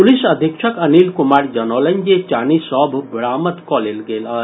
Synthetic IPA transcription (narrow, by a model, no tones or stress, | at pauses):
pulisɐd̪ʱikʃəkəniːlkumaːɾd͡ʒɐnɔlənd͡ʒet͡ʃaːnisɔbʱbɾaːmət̪kɔlelɡela